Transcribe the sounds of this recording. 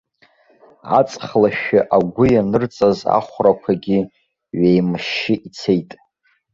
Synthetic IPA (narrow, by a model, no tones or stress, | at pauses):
a̰t͡sʼχlaʃᶣaʔaɡʷʊjanɨrt͡sʼaza̰χʷrakʷʰaɡʲi | ɥejmɨʃɪʔit͡sʰejtʼ